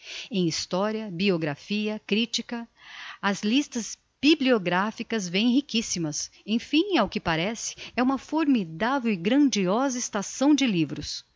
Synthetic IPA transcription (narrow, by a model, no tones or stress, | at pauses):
ẽj̃ist̪ɔɾiɐbioɡɾafiɐkɾit͡ʃikɐɐzlist̪ɐz | b̥iblioɡɾafikɐzvẽj̃hikisimɐsẽj̃fĩj̃awkɪpaɾɛsɪ̥ɛũmɐfoɾmid̪avewɪɡɾɐ̃d͡ʒiɔzɐɪst̪asɐ̃w̃d͡ʒɪlivɾʊs